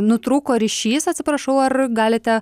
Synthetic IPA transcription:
nʊt̪ɾuːkoːɾʲɪʃʲiːsɐt̪ʲsʲɪpɾɐʃɐʊɐrɡɑːlʲɪt̪ʲɛ

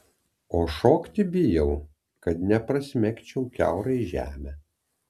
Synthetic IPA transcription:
oːʃoːkt̪ʲɪbʲɪjɛʊ | kɐt̪nʲɛpɾɐsʲmʲɛkʲt͡ʃʲɛʊkʲæ̰ˑʊɾɐɪʒʲæ̰ːmʲɛ

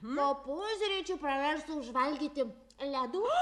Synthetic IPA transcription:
mopusʲɾʲɛt͡ʃʲupɾɐʋʲɛɾsʊʊʒʋɐlʲɡʲiːt̪ʲɪ | lʲæd̪uː

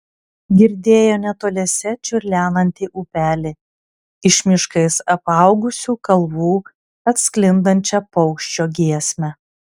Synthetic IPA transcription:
ɡʲɪɾʲd̪ʲeːjoːnʲɛt̪oːlʲɛsʲɛt͡ʃʲʊɾʲlʲæːnˠɐnʲt̪ʲiːʔuːpʲæːlʲɪ | ɪʃʲmʲɪʃkɐɪsɐpɑˑʊɡʊsʲuːkɐlˠʋuː | ɐt̪ʲsʲklʲɪnd̪ɐnʲt͡ʃʲɛpɔʊkʃʲt͡ʃʲoːɡʲiɛsʲmʲɛ

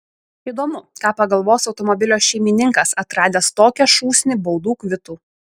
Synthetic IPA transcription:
iːd̪oɔːmʊkɑːpɐɡɐlˠʋoːsɒʊt̪ɔmɔbʲɪlʲoːʃʲɛɪmʲɪnʲɪŋkɐsɐt̪ɾɑːd̪ʲeːst̪oːkʲɛʃuːsʲnʲɪbɔʊd̪uːkʋʲɪt̪uː

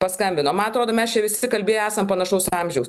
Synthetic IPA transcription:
pɐskɐmʲbʲɪnoːmɐnɐt̪ɾoːd̪oːmʲɛst͡ʃʲɛʋʲɪsʲɪkɐlʲbʲeːjoæːsɐmpɐnɐʃɐʊsɑːmʲʒʲɛʊs

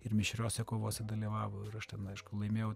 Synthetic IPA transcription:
ɪrmʲɪʃʲɾʲoːsʲɛkoːʋoːsʲɛd̪ɐlʲiːʋɑːʋoɪɾɐʃt̪ʲɛnɐɪʃkʊlˠɐɪmʲeːjɛʊ

